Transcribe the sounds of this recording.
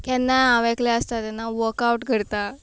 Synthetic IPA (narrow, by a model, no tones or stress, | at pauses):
kanːaːʋɛklɛəst̪at̪janːaʋəɾkauʈkəɾt̪a